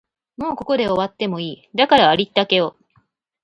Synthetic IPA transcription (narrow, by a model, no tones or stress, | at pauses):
mo̞ːko̞ko̞d̪e̞o̞βat̪ːe̞mo̞iːd̪akaɾaːɾʲit̪ːake̞o